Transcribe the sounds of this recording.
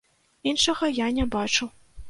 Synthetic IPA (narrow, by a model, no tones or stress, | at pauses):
inʂɐɣɐjanʲɛbat͡ʂuw